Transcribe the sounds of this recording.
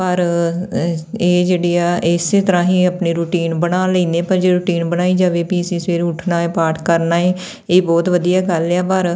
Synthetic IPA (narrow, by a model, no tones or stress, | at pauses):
pəɾ | eːd͡ʒeːɽiːaːʔɪseːt̪əɾãːɦĩːəpniːɾuːʈiːnbənaːləiːnd̪eːpəɾd͡ʒeːɾʊːʈiːnbəñaːiːd͡ʒaːʋeːpiːəsĩːseːɾʊʈʰnaːeːpaːɾʈkəɾnaːeː | eːbɔːt̪ʋəd̪ijaːɡəlaːpəɾ